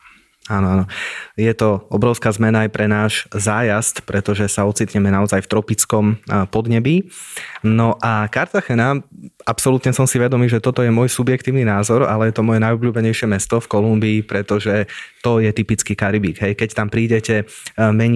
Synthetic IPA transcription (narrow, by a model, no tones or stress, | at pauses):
aːnɔanɔjɛt̪ɔɔbɾɔʊskaːzmɛnaːjpɾɛnaːʒzaːjast̪pɾɛt̪ɔʒɛsaɔt͡siːt̪ɲɛmɛnaɔzajft̪ɾɔpit͡skɔmpɔd̪ɲɛbi | nɔʔakaɾt̪axɛnaapsɔlut̪ɲɛsɔmsiʋɛd̪ɔmiːʒɛt̪ɔt̪ɔjɛmʊɔjsubjɛk̚t̪iːʊninaːzɔɾa̰lɛjɛt̪ɔmɔjɛnajɔbʎuːbɛɲɛjʃɪɛmɛst̪ɔfkɔlumbiːpɾɛt̪ɔʒɛt̪ɔjɛt̪ipit͡skiːkaɾibiːɡɦɛjkɛct̪ampɾiːɟɛcɛmɛɲ